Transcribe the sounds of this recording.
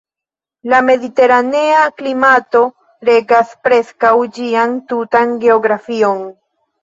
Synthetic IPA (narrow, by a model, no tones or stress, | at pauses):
lame̞dite̞ɾane̞aklimato̞ | ɾe̞ɡaspɾe̞skawd͡ʒiantutanɡe̞o̞ɡɾafio̞n